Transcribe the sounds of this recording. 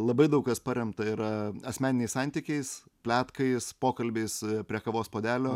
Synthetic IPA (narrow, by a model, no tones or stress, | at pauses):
lˠɐbɐɪd̪ɐʊkkɐspɐɾʲɛmt̪ɐiɾɐɐsʲmʲæːnʲɪnʲɛɪsɑnʲt̪ʲikʲɛɪspʲlʲæːt̪kɐɪspoːkɐlʲbʲeɪspʲɾʲiɛkɐʋoːspoːd̪ʲæːlʲoː